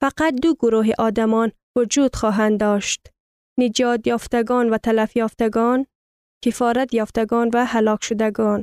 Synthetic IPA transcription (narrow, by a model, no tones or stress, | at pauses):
faqat̪̚d̪ʊɡʊɾuɦeʔɒːd̪amɒːn | vʊd͡ʒuːd̪xɒːɦænd̪ɒːʃt̪ | nɪd͡ʒɒːd̪jɒːft̪aɡɔːnvat̪ʰalafjɒːft̪aɡɔn | kefɒːɾat̪jɒːft̪aɡɔːnvæhalɒːkʃʊd̪æɡɔːn